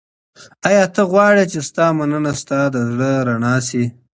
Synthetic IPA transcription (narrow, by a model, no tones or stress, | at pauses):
ajɑt̪əɣwɑɽet͡ʃest̪ɑmanənast̪ɑd̪əzɽəɾanɑsi